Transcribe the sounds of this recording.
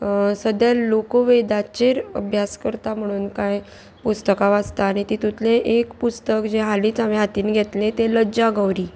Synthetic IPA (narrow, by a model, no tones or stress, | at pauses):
səd̪jalokoʋed̪at͡ɕeɾə̰bʱjaskəɾt̪am̤əɽ̃uːnkaj | pust̪əkaʋast̪aːɽ̃it̪iːt̪ut̪ʰleʔekpust̪əkd͡ʑeɦaliːt͡sameɦat̪iːnɡʱet̪let̪eləd͡ʑaɡəwɾiː